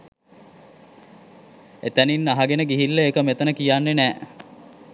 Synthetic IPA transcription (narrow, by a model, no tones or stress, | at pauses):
et̪æninːaɦaɡenəɡiɦilːeekəmet̪ənəkijanːenæː